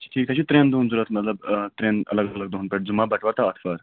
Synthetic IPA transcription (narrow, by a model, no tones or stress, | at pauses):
t͡ɕʈʰiːk̚t̪aɕiːt̪ɾend̪ound͡zuɾat̪mət̪ləbt̪ɾenə̰ləɡələɡ̚d̪oɦunpeʈ̚d͡zumabəʈʰʋaɾt̪aət̪ʰfəɾ